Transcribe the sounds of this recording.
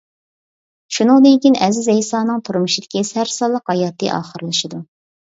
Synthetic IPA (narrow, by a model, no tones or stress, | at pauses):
ʃunɨŋd̪ɪŋkʲinɛzɪzɛjsɑːnɨŋt̪ʰuɾmuʃid̪ɪ̥kʲisæɾsɑlˠːəqhɑjɑːt̪ːɨ̰ʔɑ̰ːχəɾɨlˠɨʃid̪u